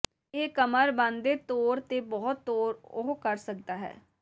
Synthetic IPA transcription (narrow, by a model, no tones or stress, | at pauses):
eːkəməɾbãːnd̪eːt̪oːɾt̪eːbɔːt̪ːoːɾʊɦkəɾsək̚d̪aːɦɛ̰ː